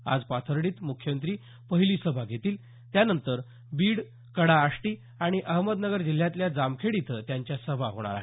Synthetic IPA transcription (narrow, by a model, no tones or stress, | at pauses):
a̰d͡zpat̪ʰəɾɽ̃iːt̪mukʰjəmənt̪ɾiː | pəɦiliːsəbʱaɡʱet̪iːl | t̪janənt̪əɾ | biːɽ | kəɽaːʂʈiː | aɽ̃iʔəɦməd̪nəɡəɾd͡ʑil̤ːjãt̪ljad͡zamkʰeɽit̪ʰəːt̪jaɲt͡ɕjasəbʱaɦoɽ̃a̰ɾa̰ɦe